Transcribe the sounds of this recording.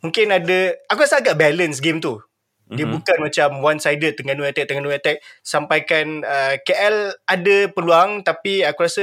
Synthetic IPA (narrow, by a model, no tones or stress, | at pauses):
mũŋkɪnadəakuɾasəaɡaʔbɛlənsɡemt̪u | diəbukanmãt͡ʃamwansajdət̪əŋanuat̪ɛk̚t̪əŋanuat̪ɛk̚sampajkanəkeʔɛladəpəluaŋt̪apiakuɾasə